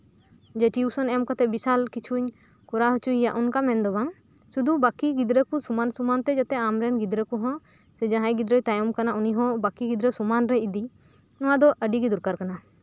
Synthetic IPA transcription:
d͡ʒɛʈiusɔnɛmkat̪ɛbisalkit͡ʃʰuɲ | kɔɾaɦut͡ʃuijaʔunkamɛnd̪ɔbaŋ | sud̪ubakiɡid̪ɾəkusumansumant̪ɛd͡ʒat̪ɛamɾɛnɡid̪ɾəkuɦɔ̃ | sɛd͡ʒãɦãjɡid̪ɾəjt̪ajɔmkanauniɦɔ̃bakiɡid̪ɾəsumanɾɛid̪i | nɔwad̪ɔʔəɖiɡid̪uɾkaɾkana

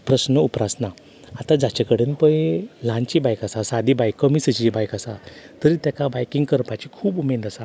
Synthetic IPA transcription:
pɾəsnəupɾasna | at̪ãd͡zat͡ɕakəɽenpə̃jlãnt͡ɕibajkasasad̪ʱibajkːəmisit͡ɕiibajkasa̰t̪əɾit̪akabajkĩŋɡkəɾpat͡ɕikʰuːbumed̪asa

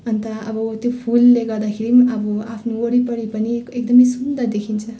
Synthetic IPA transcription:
ʌnt̪ʌʌbʌt̪jopʰulːeɡʌɾd̪akʰeɾiʌbʌapʰnuoɽipʌɽipʌniekd̪ʌmʌjsund̪ʌd̪ekʰint͡sʰʌ

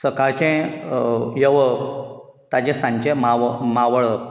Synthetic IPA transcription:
səkaɾt͡ɕẽ | jəʋə | t̪ad͡ʑẽsãɲt͡ɕẽmamaʋəɭə

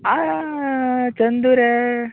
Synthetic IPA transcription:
a | t͡ʃɐnd̪uɾe

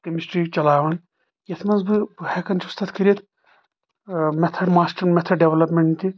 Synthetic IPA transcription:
kɐmisʈɾiːt͡ʃɐlaːʋɐn | jɐt̪ʰmɐnzbɨbɨhɛkɐnt͡ʃʰiust̪ʰɐt̪kʰɐɾʲɐt̪ | mɛt̪ʰɐɾmaːsʈɐɾmɛt̪ʰɐɾɖeʋlɐpmʲeɳʈt̪i

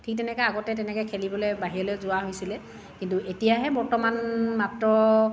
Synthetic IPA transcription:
tʰik̚tɛnɛkɛaɡɔtɛtɛnɛkɔjkʰelibɔlojbaɦiɔlejzʊaɦojsilɛ | kintuʔetijaɦɛbɔɹtɔmanmap̚tɹɔ

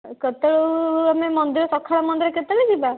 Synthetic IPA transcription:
kət̪əɭuamemɔnd̪iɾɔsɔkʰaɭamɔnd̪iɾɔkət̪əɽid͡ʒiba

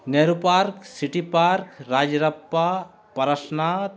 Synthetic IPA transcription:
neɾupaɾksiʈipaɾkɾaːd͡ʒɾɐpːa | pɐɾɐʃnat̪

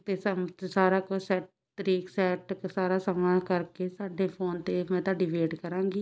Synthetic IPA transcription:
t̪eːsəmsaːɾaːkʊsɛːʈ̚ | t̪əɾiːksɛːʈsaːɾaːsəmnãːkəɾkeːsaːɖeːpʰoːnt̪eːmɛ̃ːt̪ãːɖɪʋeːɖkəɾãːŋɡiː

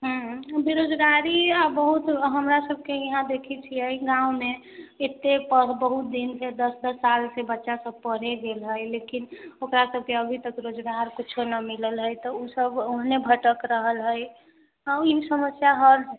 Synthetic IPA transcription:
ɦũbiɾod͡ʒɡaɾiabəɦut̪ɦəmɾasəbʱkejəɦãd̪ekʰit͡ʃʰiəiɡãume | et̪ːepəbəɦut̪̚d̪insed̪əsd̪əsːalsebətːʃasəb̚pəɾeɡelɦəjlekinokɾasəb̚ʱkeəbʱit̪əkɾod͡ʒɡaɾkit͡ʃʰonəmiləlɦəjt̪ɔusəboɦnebʱəʈəkɾəɦəlɦəj | aisəməsjaɦəl

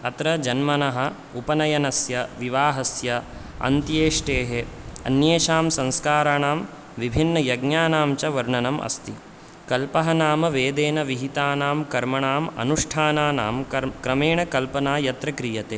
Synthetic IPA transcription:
ɐt̪ɾɐd͡ʒɐnmɐnɐɦɐ̆ | upɐnɐjɐnɐsjɐʋiʋaːɦɐsjɐ | ɐ̰nt̪jeːʂʈeːɦeɐ̰njeːʃaːmsɐ̃nskaːɾaːɳaːm | ʋibʱinːɐjɐɡnaːnaːmt͡ʃɐʋɐɾɳɐnɐmʔɐ̰st̪i | kɐlpɐɦɐnaːmɐʋeːd̪eːnɐʋiɦit̪aːnaːmkɐɾmɐɳaːmɐ̰nuʂʈʰaːnaːna̰ːmkɐkɾɐmeːɳɐkɐlpɐnaːjɐt̪ɾɐkɾijɐt̪eː

